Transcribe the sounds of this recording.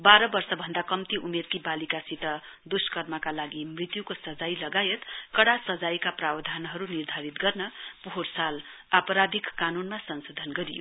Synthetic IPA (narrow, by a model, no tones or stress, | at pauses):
baɾʌbʌrsʌbʱʌnd̪akʌmt̪iʔumerkibalikasit̪ʌ | d̪uskʌrmʌkalaɡimrit̪jukosʌd͡zajlʌɡajet̪kʌɽasʌd͡zajkaprawʌd̪ʱanɦʌɾunird̪ʱaɾit̪ɡʌrnʌpuɦorsal | apʌɾad̪ʱikːanunmasʌnsod̪ʱʌnɡʌɾijo̰